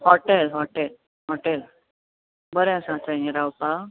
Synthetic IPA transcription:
hɔʈelɦɔʈel | ɦɔʈel | bəɾẽãsãt͡ɕãiɾawpa

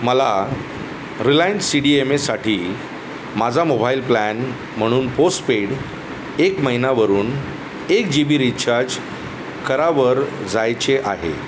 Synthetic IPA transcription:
məla | ɾilajinssiɽiemesaʈʰiː | mad͡zʱamobailplæn | m̤əɽ̃uːnposʈpeɽ | ekməɦinaʋəɾuːn | ekd͡ʑibiɾitt͡ɕʰaɾd͡ʑ | kəɾaʋəɾd͡zajt͡seʔaɦḛ

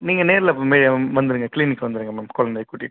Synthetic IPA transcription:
niːŋɡɐneːɾɪlɐpːomeːɽɪjɐʋɐnd̪ɯɾɯŋɡɐkliːnɪkːʋɐnd̪ɯɾɯŋɡɐmaːmkɔlɐnd̪ɐjkuːʈːɪ̰ʈ

